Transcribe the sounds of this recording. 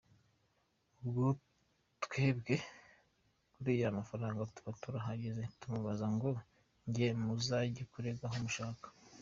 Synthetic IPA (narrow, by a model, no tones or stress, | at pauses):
ubɡo | twe̞ːbɡe̞ | kuɾiːjamafaɾaːŋɡatu̥βatuɾaɦaɟeze̞tumuβazaŋɡo̞ | ɲɟemuzaɟekuɾe̞ɡaɦumuʃaːkḁ